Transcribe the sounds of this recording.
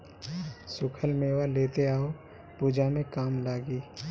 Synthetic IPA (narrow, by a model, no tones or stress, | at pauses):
sʊkʰəlmeːwaleːt̪eaːo | puːd͡ʒamẽkaːmlaːɡiː